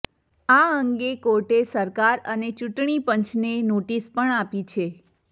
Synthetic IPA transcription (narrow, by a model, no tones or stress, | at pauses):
aəŋɡekoɾʈesəɾkaɾənet͡ʃuʈɳ̃ipəɲt͡ʃnenoʈispəɳapit͡ʃʰe